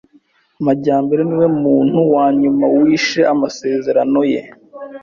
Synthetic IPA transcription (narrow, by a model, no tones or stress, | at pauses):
maɟaːmbe̞ɾeniwe̞muːn̥huwaːɲumawiːʃe̞ʔamase̞ːze̞ɾano̞je̞̰